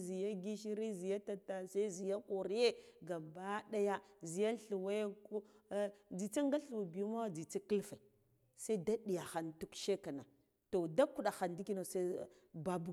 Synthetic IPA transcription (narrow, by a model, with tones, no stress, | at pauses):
zi˨ja˦ɡi˦ʃi˦ɾi˦zi˨ja˦ta˨ta˨sa˦i˦zi˨ja˦ku˨ɾi˦je˦ɡa˨mba˦ɗa˦ja˦zi˨ja˦ɬu˨wa˦jku˦ | d͡zi˨t͡sa˦ŋɡa˦ɬu˨bi˨˦ma˦wa˦d͡zi˨t͡sa˦ki˦lfa˨ | sa˦i˦da˦ɗi˨ja˨xa˦ntu˦kʃe˦ka˨na˨ | to˨da˦ku˦ɗa˨xa˨ndi˦ki˦no˨sa˦ | ba˦bu˦